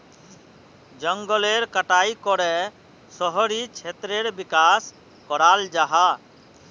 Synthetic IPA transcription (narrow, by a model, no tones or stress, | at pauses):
d͡ʒəŋɡəleɾkəʈaikɔɾɛ | sɔɦɔɾit͡ʃʰet̪ɾeɾbikas | kɔɾald͡ʒaɦa